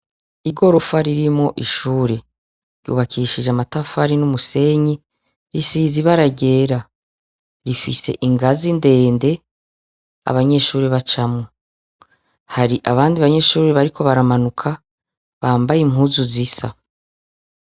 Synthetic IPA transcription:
iɡo̞ɾo̞faɾiɾimŋo̞ʔiʃuːɾe | ɾjṵːβakʰiːʃid͡ʒamatafaɾinumuse̞ɲi | ɾisiːziβaɾaɟe̞ːɾa | ɾifise̞̰ʔiŋɡazinde̞ːnde̞ | a̰βaɲe̞ːʃuːɾiβat͡ʃamŋo | haɾiʔaβaːndiaβaɲe̞ʃuːɾeβaɾikʰo̞βaɾamanukʰa | βaːmbajim̥ɦuzuzisa̰

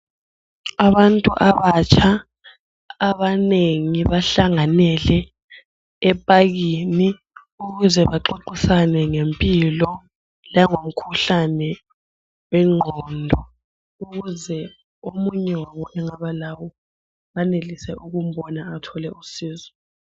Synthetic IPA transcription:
aβantʼuʔaβat͡ʃʰʼaː | βaneŋiβaɬaŋanɛlɛ | ɛpʼaɣini | uɣuzɛβaǃoǃisanɛŋempʼilɔ | laŋom̩kʰuɬanɛ | wɛŋ͡ǃʱɔndʱɔ | uɣuzɛ | omuɲɛwaβɔʔɛŋaβalawɔ | βanelisɛuɣum̩bɔnaatʰɔlɛusiːzɔ

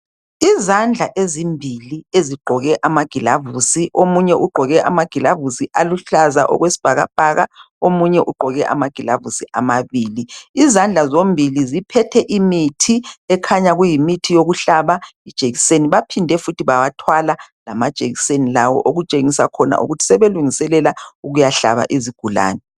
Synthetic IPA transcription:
izand͡ɮʱaʔezimbʱilieziɡ͡ǃʱɔɣɛʔamaɡ̥ʱila̰vusiʔomuɲɛʔuɡ͡ǃʱɔɣɛʔamaɡ̥ʱilavusiʔaluɬaza̰ʔɔ̰ɣwesi̥b̥ʱaɣa̰b̥ʱaɣa̰ | omuɲɛʔuɡ͡ǃʱɔɣɛʔa̰maɡ̥ʱilavusiʔa̰maβiːliːzand͡ɮʱazombʱilizipʰɛtʰɛʔimitʰiɛkʰaɲaɣujimitʰijoɣuɬaβaid̥ʒ̥ʱʼeɣiseniβapʰindʱɛfutʰiβawatʰwalalamad̥ʒ̥ʼʱeɣisenilawɔ̰ʔoɣut͡ʃʼeŋisa̰kʰɔna̰ʔṵɣutʰi̥sɛβeluŋisɛlɛlauɣujaɬa̰βa̰ʔiziɡ̥ʱula̰ːnɛ

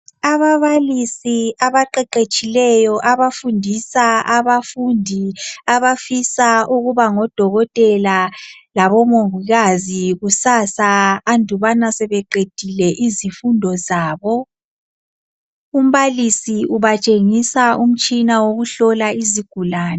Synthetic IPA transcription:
aβaβalisiaβaǃɛǃet͡ʃʼilɛjɔʔaβafundʱisaʔaβafundʱiaβafisauɣuβaŋɔd̥ʱɔɣɔtʼɛlalaβɔmoviɣaziɣusasaːndʱuβanasɛβɛǃed̥ʱilɛʔizifundʱɔzaːβɔ | um̩βalisiuβat͡ʃʼeŋisaum̩t͡ʃʼinawoɣuɬɔlaiziɡ̥ʱulaːn

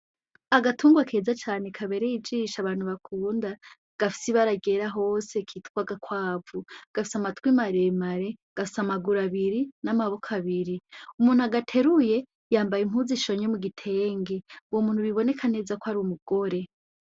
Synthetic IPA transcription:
aɡatʰuːŋɡwakʰe̞ːzat͡ʃaːne̞kʰaβe̞ɾejid͡ʒiʃaβaːn̥huβakʰuːnda | ɡ̥afi̥siβaɾaɡe̞ɾaɦo̞ːse̞kʰiːtkwaɡakwaːvuɡ̥afi̥samatwimaɾemaɾe̞ɡ̥afi̥samaɡuɾaβiɾinamaβokʰaβiɾiumuːn̥huaɡatʰe̞ɾuje̞ | jaːmbajim̥huːziʃo̞ɲemuɡitʰe̞ːŋɡewomuːn̥huβiβo̞ne̞kʰane̞zakoaɾumuɡ̥o̞ɾe̞

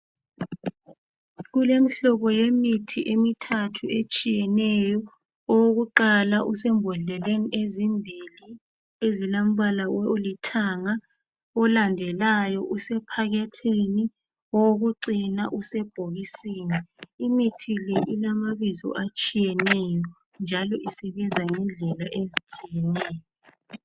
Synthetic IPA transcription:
ɣulem̩ɬɔβɔjemitʰiʔemitʰatʰuet͡ʃʼijɛnɛjɔ | ɔwoɣuǃalaʔusɛmbʱɔɮɛleniʔezimbʱili | ezilam̩βalaolitʰaŋa | ɔlandʱɛlajɔʔusɛpʰaɣetʰini | ɔoɣuǀinaʔusɛb̥ʱoɣisiːniimitʰileʔilamaβizɔ̰ʔat͡ʃʼijɛnɛjɔ | nd͡ʒʱalɔʔisɛβɛnzʱaŋɛnd͡ɮʱɛlaʔezit͡ʃʼijɛnɛːjɔ

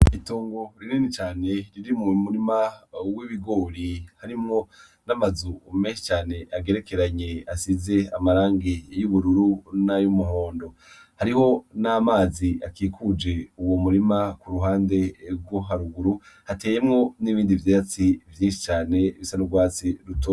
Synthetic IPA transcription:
ituːŋɡo̞ɾininit͡ʃaːne̞ɾiɾimŋumuɾimawiβiɡo̞ːɾihaɾimŋo̞ | namazumeːnʃi̥t͡ʃaːne̞ʔaɡe̞ɾe̞ke̞ɾaɲe̞asize̞amaɾaːŋɡijuβuɾuɾunajumuɦoːndo̞ | haɾiho̞namaːziakiːkʰud͡ʒe̞uwomuɾimakuɾuhaːnde̞ɾɡwoɦaɾuɡuɾu | hate̞ːje̞mŋo̞niβiːndivjat͡sivjiːnʃi̥t͡ʃaːne̞βisanubɡwaːt͡siɾuto

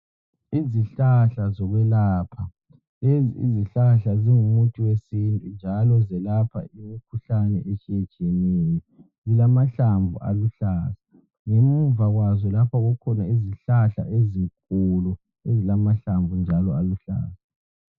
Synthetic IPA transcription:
iziɬaɬazɔɣwɛlaːpʰa | ḭziɬaɬaziŋumutʰʼiwesintʼund͡ʒʱalɔzɛlapʰa̰ʔimikʰuɬanɛʔet͡ʃʰʼiɛd̥t͡ʃʼenini | zilamaɬambʱṵa̰luɬaːza | ŋemuvaɣwazɔlapʰaɣukʰɔnaiziɬaɬa̰ʔeziŋkʼulu | ezilamaɬambʱvʱund͡ʒʱalɔaluɬa̰ːsa

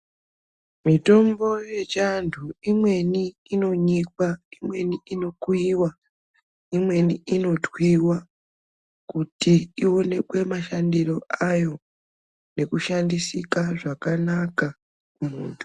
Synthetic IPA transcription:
mito̞mbo̞je̞t͡ʃantʰuimwe̞ni | ino̞ɲikwaimwe̞niino̞kuiːwa | imwe̞niino̞twiwa | kutiio̞ne̞kwe̞maʃandiro̞ajo̞ | ne̞kuʃandisikaʐakanaka | kumuːntʰu̥

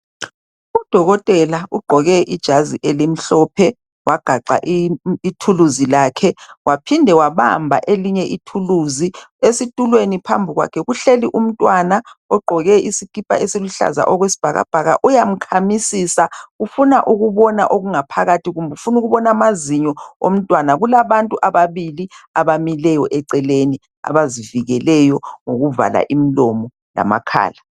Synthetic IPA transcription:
ud̥ʱɔɣɔtʼɛlauɡ͡ǃʱɔɣɛʔid̥ʒ̥ʱaziʔelim̩ɬɔːpʰɛ | waɡ̥ʱaǃʱa̰ʔːtʰuluzilaːkʰɛwapʰindʱɛwaβa̰mbʱa̰ʔeliɲɛʔitʰuluziesitʼulwenipʰa̰mbʱiɣwa̰kʰɛɣuɬeliʔum̩tʼwanaɔɡ͡ǃʱɔɣɛisikʼipʼa̰ʔesiluɬa̰za̰ʔɔɣwesi̥b̥ʱaɣa̰b̥ʱaɣa̰ʔujam̩kʰamisisaɣufunaʔuɣuβɔnaʔoɣuŋapʰaɣatʰiɣumbʱɛufunuɣuβɔnamaziɲɔo̰m̩tʼwanaɣulaβantʼuʔaβaβiliaβamilɛjɔʔɛǀɛleni | a̰βaziviɣɛlɛjɔŋoɣuva̰la̰ʔimilɔmɔ | la̰ma̰kʰa̰ːla

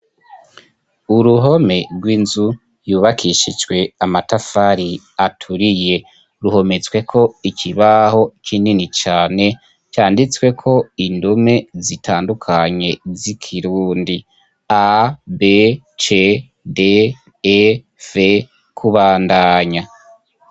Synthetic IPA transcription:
uɾuɦo̞me̞ɾɡwiːnzu | juːβakʰiʃid͡ʒwe̞amatafaɾi | atʰuɾije̞ | ɾuho̞me̞t͡swe̞kʰo̞ikʰiβaho̞kʰininit͡ʃaːne̞ | t͡ʃaːndit͡swe̞kʰo̞indume̞zitʰaːndukʰaɲe̞zikʰiɾuːndi | abe | t͡ʃe | de | v̥e | kʰuβaːndaːɲa

